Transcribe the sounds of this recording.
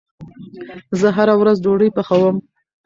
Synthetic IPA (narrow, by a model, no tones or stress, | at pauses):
zəɦaɾawɾazd͡ʒoɽəjpəxawəm